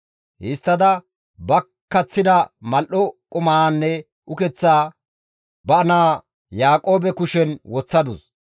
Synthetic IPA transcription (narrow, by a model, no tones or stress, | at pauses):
hɪst̪ːɐd̪ɐ | bɐ | kːɐt͡sːɪd̪ɐmɐlʔɔkʼʊmaanːɛ | ʔʊkɛt͡sːaː | bɐɐnaː | jaːkʼo̞ːbɛkʊʃɛnwɔt͡sːɐd̪ʊs